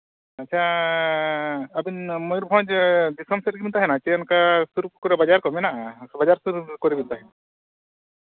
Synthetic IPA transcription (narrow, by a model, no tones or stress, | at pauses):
ɐtːt͡ʃʰa | ɐbinmɔjɾbʱɔ̃d͡ʒd̪isɔmseɾɡint̪aɦɛnat͡ʃɛɔnkasuɾukɔɾɛbad͡ʒaɾkɔmɛnabad͡ʒaɾsuɾkɔɾɛbint̪aɦɛ